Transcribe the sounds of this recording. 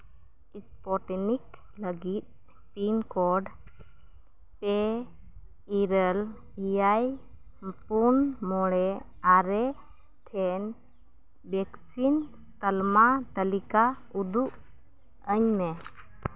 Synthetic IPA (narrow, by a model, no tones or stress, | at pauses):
ispɔʈnik | ləɡit̪̚ | pinkɔɖ | pɛ | iɾəl | ijaj | punmɔɽɛ | aɾɛ | ʈʰɛn | bɛksinst̪əlmat̪əlika | ud̪uʔ | əɲmɛ